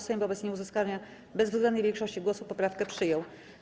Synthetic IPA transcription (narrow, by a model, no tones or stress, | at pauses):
sɛmvɔbɛt̪sɲɛuzɘskalɲa | bɛzvzɡɛnd̪əjvʲjɛ̃ŋkʂɔɕt͡ɕiɡwɔsupɔpɾafkɛpʂɘjɔw